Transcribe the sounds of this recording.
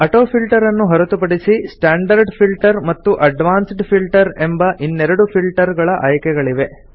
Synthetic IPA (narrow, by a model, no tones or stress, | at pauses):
ɐʈoːpʰilʈɐɾɐnːuɦɐɾɐt̪upɐɽisisʈaːɳɖɐɾɖpʰilʈɐɾmɐt̪ːuʔɐɖʋaːnsɖpʰilʈɐɾe̞mbɐʔinːɛɾɐɽupʰilʈɐɾɡɐɭɐʔɐːjkɛɡɐɭiʋe̞